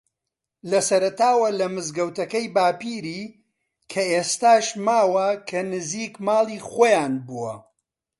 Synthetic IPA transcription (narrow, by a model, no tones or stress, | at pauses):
lɐsɐɾɐt̪aːwɐlɐmɨzɡɐwt̪ɐkɐjbaːpiːɾiː | kʰɐʔeːst̪aːʃmaːwɐkʰɐnɨziːkmaːlˠiːχoːjaːnbuwɐ̰